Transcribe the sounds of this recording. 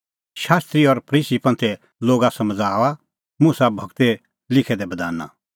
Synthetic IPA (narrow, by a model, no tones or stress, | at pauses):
ʃaːst̪ɾiɔɾpʰɐɾiːsipɐ̃nt̪ʰɛ | loːɡasɐməd͡zaːʋa | mũsabʱɐɡt̪ɛ | lɪkʰɛd̪ɛbɐd̪aːnːa̰